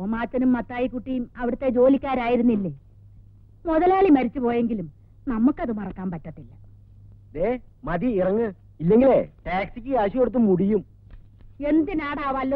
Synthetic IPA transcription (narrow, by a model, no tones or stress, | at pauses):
omaːt͡ɕːɐnumːɐt̪ːaːjikːuʈːijumɐʋɐɽɨt̪ːe̞d͡ʑo̞ːlikʲːaːɾaːjiɾunːilːeː | muðɐlaːɭimɐɾit͡ɕːɨpo̞ːje̞ŋɡilum | nɐmːukːɐðɨmɐrɐkːaːmpɐtːɐt̪ːilːɐ | d̪eːmɐðiirɐŋːɨ | ilːe̞ŋɡileʈaːksikʲːɨaːɕikoɽut̪̬ːumːuɽijum | e̞nd̪inaːɽaːʋɐlːo